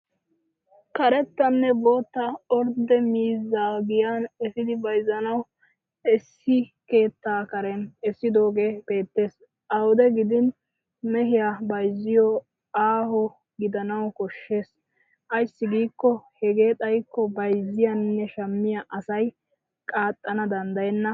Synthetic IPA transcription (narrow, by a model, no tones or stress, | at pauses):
kɐɾɛt̪ːɐnːɛboːt̪ːɐɔɾd̪ɛmiːzːaːɡɪjanɛsɪd̪ɪbɐjzːɐnɐw | ɪsːɪke̞ːt̪ːaːkɐɾɛnɛsːɪd̪o̞ːɡe̞ːpe̞ːt̪ːeːs | ʔɐwʊd̪ɛɡɪd̪ɪn | mɛɦɪjabɐjzːɪjɔ | aːhɔ | ɡɪd̪ɐnɐwkɔʃːe̞ːs | ʔɐjsːɪɡiːkːɔhɛɡe̞ːt̪ʼɐjkːɔbɐjzːɪjɐnːɛʃɐmːɪjɐʔɐsɐj | kʼaːt̪ʼːɐnɐd̪ɐnd̪ɐjɛnːɐ